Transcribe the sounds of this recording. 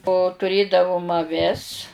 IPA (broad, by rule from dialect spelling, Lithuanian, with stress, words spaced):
oː tʊˈrʲeːdɐʋoːm ɐˈʋʲɪs